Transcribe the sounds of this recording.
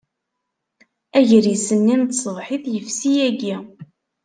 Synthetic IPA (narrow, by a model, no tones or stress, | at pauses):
æʝəɾjisənːimt̪sðˤħiθjəfsijæɡi